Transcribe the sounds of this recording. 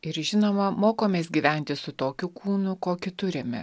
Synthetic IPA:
ɪɾʒʲɪnoːmɐmoːkoːmʲeːsɡʲiːʋʲæˑnʲt̪ʲɪsʊt̪oːkʲʊkuːnʊkoːkʲɪt̪ʊɾʲemʲɛ̰

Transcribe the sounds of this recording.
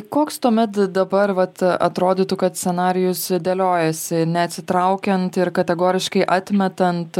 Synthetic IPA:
koːkst̪uɔmʲɛt̪d̪ɐbɐɾʋɐt̪ɐ̰t̪ɾoːd̪ʲiːt̪ʊkɐt̪sʲsʲɛnɑːɾʲɪjʊsd̪ʲeːlʲoːjɛsʲɪnʲɛɐt̪ʲsʲɪt̪ɾɐʊkʲɛnt̪ɪɾkɐt̪ʲɛɡoːɾʲɪʃkɐɪʔɑːt̪ʲmʲɛt̪ɐnt̪

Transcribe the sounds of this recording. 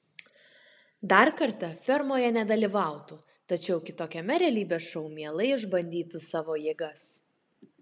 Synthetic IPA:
d̪ɐɾkɐɾt̪ɐfʲɛɾmoːjɛnʲɛd̪ɐlʲiʋɑˑʊt̪u | t̪ɐt͡ʃʲɛʊkʲɪt̪oːkʲɛmʲɛɾʲɛɛlʲiːbʲeːʃɐʊmʲiɛlˠɐɪɪʒbɐnʲd̪ʲiːt̪usɑːʋoːjeːɡɐs

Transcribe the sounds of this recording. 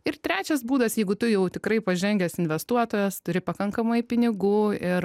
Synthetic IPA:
ɪrt̪ʲɾʲæːt͡ʃʲɛsbuːd̪ɐsjɛɪɡʊt̪ʊjɛʊt̪ʲɪkɾɐɪpɐʒʲɛŋʲɡʲɛsɪnʲʋʲɛst̪uɔt̪oːjɛst̪ʊɾʲɪpɐkɐŋkɐmɐɪpʲɪnʲɪɡuːɪɾ

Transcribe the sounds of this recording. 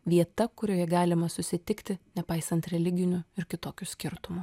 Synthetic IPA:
ʋʲiɛt̪ɐkʊɾʲoːjɛɡɑːlʲɪmɐsʊsʲɪt̪ʲɪkt̪ʲɪnʲɛpɐɪsɐnt̪ɾʲɛlʲɪɡʲɪnʲʊɪɾkʲɪt̪oːkʲʊsʲkʲɪɾt̪ʊmʊ

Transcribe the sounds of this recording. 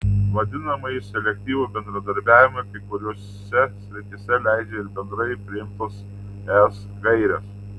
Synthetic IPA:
ʋɐd̪ʲɪnɐmɐjɪsʲɛlʲɛk̚ʲt̪ʲiːʋuːbʲɛnd̪ɾɐd̪ɐɾʲbʲæːʋʲɪmɐɪkɐɪkʊɾʲoːs | sʲɛsʲɾʲɪt̪ʲɪsʲɛlʲæˑɪd͡ʒʲɛɪɾbʲɛnd̪ɾɐɪpʲɾʲɪɪmt̪oːs | ɛs | ɡɐɪɾʲɛs

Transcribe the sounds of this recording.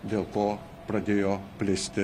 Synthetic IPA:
d̪ʲeːlˠkoː | pɾɐd̪ʲeːjoːpʲlʲɪsʲt̪ʲɪ

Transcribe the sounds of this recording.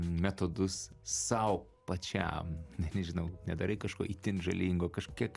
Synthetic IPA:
mʲæt̪oːd̪ʊssɐʊ | pɐt͡ʃʲæ̰mnʲɛnʲɛʒʲɪnɐʊnʲɛd̪ɐɾɐɪkɐʃkoːʔit̪ʲɪnʒɐlʲiŋɡoːkɐʃkʲiɛk

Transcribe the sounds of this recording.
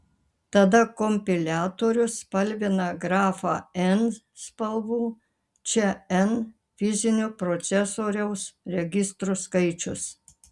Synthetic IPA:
t̪ɐd̪ɐkɔmʲpʲɪlʲæːt̪oːɾʲʊspɐlʲʋʲɪnɐɡɾɑːfɑɛn | spɐlˠʋuː | t͡ʃʲɛɛn | fʲɪzʲɪnʲʊpɾɔt̪sʲɛsoːɾʲɛʊsɾʲɛɡʲɪst̪ɾuskɐɪt͡ʃʲʊs

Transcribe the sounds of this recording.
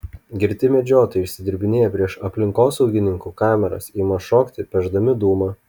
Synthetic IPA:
ɡʲɪɾʲt̪ʲɪmʲɛd͡ʒʲoːt̪ɐɪʊʃʲsʲɪd̪ʲɪɾʲbʲɪnʲeːjɛpʲɾʲiɛʃɐpʲlʲɪŋkoːsɒʊɡʲɪnʲɪŋkuːkɑːmʲɛɾɐ̰siːmɐʃoːkt̪ʲɪpʲɛʒd̪ɐmʲɪd̪uːmɐ

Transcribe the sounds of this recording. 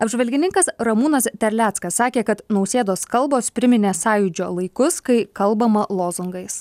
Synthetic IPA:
ɐbʲʒʲʋɐlʲɡʲɪnʲɪŋkɐsɾɐmuːnɐst̪ʲɛɾʲlʲæːt̪skɐsːɑːkʲeːkɐt̪nɒʊsʲeːd̪oːskɐlˠboːspʲɾʲɪmʲɪnʲeːsɑːjʊd͡ʒʲo̰ːlˠɐɪkʊskɐɪkɐlˠˑbɐmɐlˠoːzʊŋɡɐɪs

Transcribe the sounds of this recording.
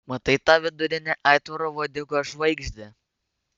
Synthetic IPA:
mɐt̪ɐɪt̪ɑʋʲɪd̪ʊɾʲɪnʲɛʔɑɪt̪ʋɐɾoːʋoːd̪ʲɪkoʒʋɐɪɡʒʲd̪ʲɪ

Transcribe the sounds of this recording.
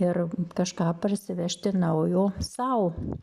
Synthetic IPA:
ɪrkɐʃkɑːpɐrʲsʲɪʋʲɛʃʲt̪ʲɪnɐʊjoːsɐʊ

